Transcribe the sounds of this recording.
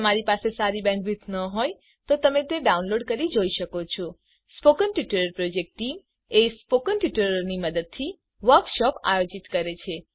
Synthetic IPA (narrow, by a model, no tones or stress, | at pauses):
əmaɾipasesaɾibɛ̃kʋit̪ʰnəɦoj | t̪ot̪əmet̪eɖaunloɖkəɾid͡ʒoiʃəkot͡ʃʰo | spokənʈiʈəɾəɾpɾod͡ʒek̚ʈʈim | espokənʈiʈəɾəɾniməd̪əd̪̚t̪ʰi | ʋəɾkʃɔpa̰jod͡ʒit̪kəɾet͡ʃʰe